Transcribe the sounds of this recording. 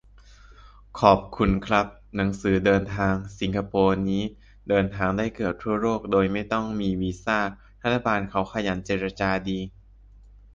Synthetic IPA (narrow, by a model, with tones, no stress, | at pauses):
kʰɔː˨˩p̚kʰu˧nkʰɾa˦˥p̚ | na˩˦ŋsɯː˩˦dɤː˧nt̪ʰaː˧ŋsi˩˦ŋkʰa˧poː˧niː˦˥ | dɤː˧nt̪ʰaː˧ŋdaː˥˩jkɤː˨˩ət̚t̪ʰːu˥˩ɐɾoː˥˩k̚doː˧jma˥˩jt̪ɔ˥˩ŋmiː˧wiː˧saː˥˩ | t̪ʰa˥˩a˧baː˧nkʰa˦˥wkʰa˧ja˩˦nt͡ɕeː˧˩ɾa˧t͡ɕaː˧diː˧